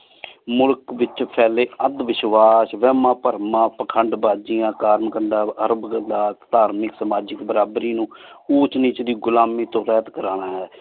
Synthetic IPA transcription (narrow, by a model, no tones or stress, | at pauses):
mʊlkʋɪt͡ʃpʰɛːleːəd̪ʋɪʃʋaːsʋɛːmãːpəɾmãːpəkʰəɳɖbaːd͡ʒijãːkaːɾmkəɳɖaːəɾbɡəlaːt̪d̪aːɾmɪksəmaːd͡ʒɪkbəɾaːbɾiːnũː | uːt͡ʃniːt͡ʃd̪iːɡʊlaːmiːt̪õːɾɛːt̪kəɾaːnaːɦɛː